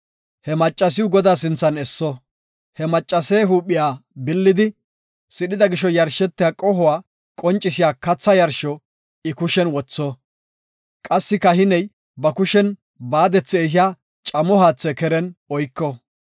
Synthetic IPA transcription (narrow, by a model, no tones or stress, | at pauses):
hɛmɐt͡ʃʼːɐs̬ɪʊɡɔd̪aːs̬ɪnt͡sːɐnɛsːɔ | hɛmɐt͡ʃʼːɐseɦuːpːɪjaːbɪlːɪd̪ɪ | sɪɗɪd̪ɐɡɪʃɔjɐɾʃɛt̪ːɪjaːkʼɔhʊwaː | kʼɔnt͡ʃʼːɪsɪjaːkɐt͡sːɐjɐɾʃɔ | ɪkʊʃɛnwɔt͡sːɔ | kʼɐsːɪkːɐhɪnɛj | bɐkʊʃɛn | baːd̪ɛt͡sːɛːɦɪjaː | t͡ʃʼɐmɔhaːt͡sːɛkɛɾɛnɔjkːɔ